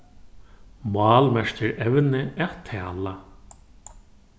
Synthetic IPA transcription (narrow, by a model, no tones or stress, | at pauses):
mɑːlmɛʂcɪɾɛʋnɪɛːt̪ʰːɛːla